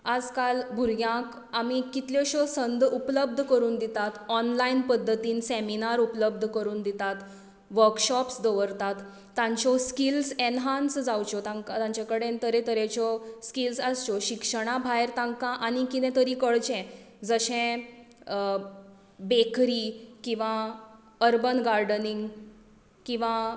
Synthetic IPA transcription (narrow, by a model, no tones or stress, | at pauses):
ad͡zkalbʱuɾjãk | amikit̪ljɔɕɔsənd̪ʱupləb̚d̪ʱkəɾuːnd̪it̪at̪ɔnlainpəd̪ʱːət̪iːnseminaɾupləb̚d̪ʱkəɾuːnd̪it̪at̪ | ʋəɾkɕɔpsd̪ɔʋəɾt̪at̪ː | ãɲt͡ɕɔskilsenɦansd͡zawt͡ɕɔt̪ãŋkat̪ãɲt͡ɕakəɽent̪əɾet̪əɾet͡ɕɔskilsəst͡ɕɔɕikʂəɽ̃abʱajɾt̪ãŋɡkãʔanikinɛ̃t̪əɾikəɭt͡ɕɛ̃ | d͡zəɕɛ̃ | bekɾikĩw̃ʋã | əɾbənɡaɾɖəniŋɡ | kĩw̃ʋa